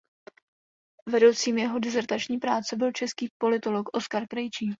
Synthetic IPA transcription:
vɛdo̞wt͡siːmjɛɦo̞dɛzɛɾt̪at͡ʃɲiːpɾaːt͡sɛbɪlt͡ʃɛskiːpo̞lɪt̪o̞lokʔo̞skaɾkɾɛjt͡ʃiː

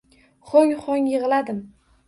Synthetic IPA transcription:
χoŋχoŋjɨʁɨlad̪ɪm

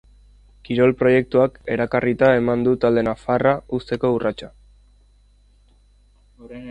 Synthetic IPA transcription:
kiɾo̞lpɾo̞je̞k̚t̪uake̞ɾakarit̪ae̞mand̪ut̪ald̪e̞nafaraust̪e̞ko̞urat͡ʃa

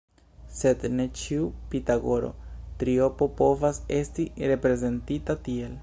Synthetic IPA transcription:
se̞d̪ne̞t͡ʃiupit̪aɡo̞ɾo̞̰t̪ɾio̞popo̞vase̞stiɾe̞pɾe̞ze̞nt̪itat̪iel

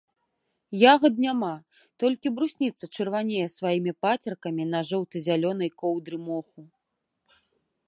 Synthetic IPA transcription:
jaɣɐd̪̚nʲama | t̪ɔlʲkʲibɾusʲnʲit̪sɐt͡ʂɨrvanʲejɛsvajimʲipat͡sʲɐrkɐmʲinɐʐɔwt̪ɨzʲalʲɔnɐjkɔwd̪ɾɨmɔxu

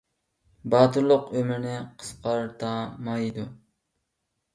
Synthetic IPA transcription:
bɑːt̪ʰɨɾlˠʊqømɪɾnɪqʰə̥sqɑɾt̪ʰɑːmɑjid̪u

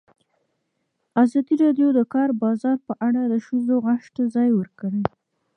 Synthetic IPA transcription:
azɑd̪iɾɑɖjod̪əkɑɾbɑzɑɾpəʔaɽad̪əʃuzoɣaʃt̪azɑjwəɾkəɽe

